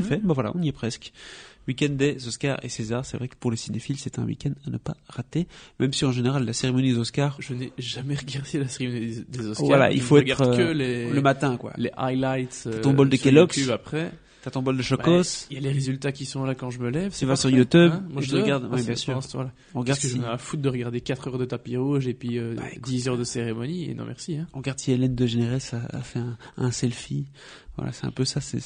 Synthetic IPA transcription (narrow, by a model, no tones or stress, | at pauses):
fɛbɛ̃vwala̰ɔ̃niɛpχɛskwikʲɛnd̪d̪ɛzɔska̰ʁḛsezaʁsɛvʁɛkə̥puʁlesinefilsɛt̪ɛ̰̃wḭkʲɛnd̪anəpa̰ʁat̪emɛmsiɑ̃ʒeneʁalːaseʁemɔnid̪ezɔskaʁʒənɛʒamɛʁəɡaʁd̪elaseʁemɔnid̪ezɔswala̰ḭlfoɛtɡ̪aʁχəleləmat̪ɛ̃kwa̰leʔajlajt̪at̪ɔ̃bɔld̪əkelɔksapχɛ | t̪at̪ɔ̃bɔld̪əʃɔbkɔsiljaleʁezylt̪akʲisɔ̃lakɑ̃ʒəməlɛvsivasyʁjut̪ubmwaʒət̪ʁəɡaʁd̪wibjɛ̃syːʁt̪wala | ɔ̃ʁəɡaʁdsəʒɛafut̪̚d̪əʁəɡaʁd̪ekat̪χœʁd̪ət̪apiʁoʒepɥiø̰d̪izœʁd̪əseʁemɔniḛnɔ̰̃mʔɛ̰ʁsiɛ̃ɔ̃ʁəɡaʁd̪sielɛnd̪əʒeneʁɛsa̰ːfɛɛ̃ɛ̃sɛlfi | vwa̰la̰sɛ̥t̪ɛ̰̃pøsasɛ̰